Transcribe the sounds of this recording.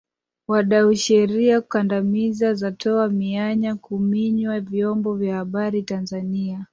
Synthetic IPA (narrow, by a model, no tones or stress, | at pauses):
waɗauʃɛɾiaku̥kandamizazatʰɔamiaɲakumiɲwavjɔmbɔvjahaɓaɾitanzania